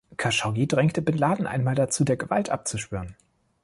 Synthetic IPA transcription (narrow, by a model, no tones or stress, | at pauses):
kʰaʃaʊɡidʁɛŋktəbɪnlaːdn̩ʔa̰ɪnmaːldat͡suːdeːɐɡəva̰ltʔa̰p̚t͡suʃv̥yːʁən